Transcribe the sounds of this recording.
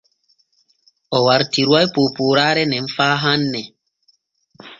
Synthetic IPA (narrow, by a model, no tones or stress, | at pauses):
ɔwaɾtiɾwajpoːpoːɾaːɾɛnɛɱ̩faːɦanːɛ